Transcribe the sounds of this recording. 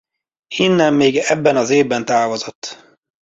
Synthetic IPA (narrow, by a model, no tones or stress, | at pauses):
inːɛmːeːɡɛbːɛnɒzeːvbɛnt̪aːvo̞zot̪ː